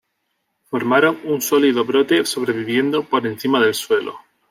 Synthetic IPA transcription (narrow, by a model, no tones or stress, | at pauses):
fo̞ɾmaɾo̞ŋunsoliðoβɾo̞t̪e̞so̞β̞ɾe̞βiβje̞nd̪opo̞ɾe̞n̟θimaðe̞lswe̞lo̰